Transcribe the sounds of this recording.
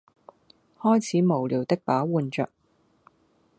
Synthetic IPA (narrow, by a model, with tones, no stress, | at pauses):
hɔː˥jt͡sʰiː˨˥mo˨˩wliː˨˩wt̪ɪ˥k̚paː˨˥wuː˨˧nt͡ʃœ̰ː˨k̚